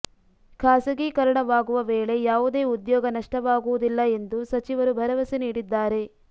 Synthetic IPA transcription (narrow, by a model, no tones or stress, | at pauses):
kʰaːsɐɡiːkɐɾɐɳɐʋaːɡuʋɐʋeːɭe̞jaːʋud̪e̞ːud̪jɔːɡɐnɐʂʈɐʋaːɡuʋud̪ilːɐe̞nd̪usɐt͡ʃiʋɐɾubʱɐɾɐʋɐsiniːɽid̪ːaːɾe̞